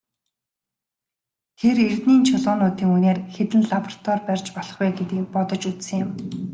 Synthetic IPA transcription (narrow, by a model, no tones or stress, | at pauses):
xerert̪niːnt͡ɕʰʊɮʊːnʊːt̪iːŋuneːrxet̪ɘ̆nɮaprt̪ʰɔrpærʲt͡ɕpɔɮɞ̆χwɛːɡet̪iːk̚pɔt̪ɞ̆t͡ɕut͡ssɘ̆ŋjɪ̆m